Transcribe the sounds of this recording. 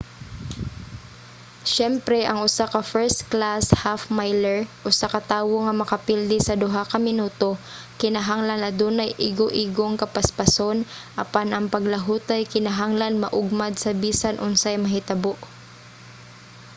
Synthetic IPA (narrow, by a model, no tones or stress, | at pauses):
ʃɛmpɾɛʔɐŋʔʊsakɐfɛɹst̪klashafmajlɛɹʔʊsakɐt̪aːwoŋɐmɐkɐpild̪ɪsɐd̪ʊɦakɐmɪnuːt̪o̞ | kɪnɐɦaŋlanɐd̪uːnajʔiɡoʔiɡoŋkɐpɐspɐsonʔɐpanɐŋpɐɡlɐɦuːt̪ajkɪnɐɦaŋlanmɐʔʊɡ̚mad̪̚sɐbiːsanʔʊnsajmɐɦɪt̪ɐboʔ